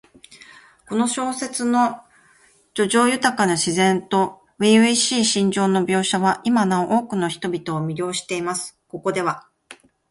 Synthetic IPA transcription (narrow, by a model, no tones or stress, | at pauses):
ko̞no̞ɕo̞ːse̞t͡sɨno̞ | d͡ʑo̞ʑo̞ːjɯ̟t̪akanaɕizẽ̞nt̪o̞ | βiiɕiːɕĩɲ̟d͡ʑo̞ːno̞bʲo̞ːɕaβaʔimanãɰ̃ʔo̞ːkɯ̟no̞çi̥t̪o̞bʲit̪o̞ːmʲiɾʲo̞ːɕi̥t̪e̞imasɨ̥ko̞ko̞d̪e̞β̞a